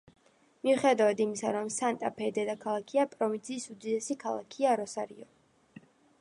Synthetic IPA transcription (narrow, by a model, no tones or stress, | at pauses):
miuχɛd̪avad̪imisa̰ɾɔmsant̪ʼapʰɛd̪ɛd̪akʰalˠakʰiapʼɾɔvint̪sʰiːsud̪id̪ɛsikʰalˠa̰kʰiaɾɔsaɾḭɔ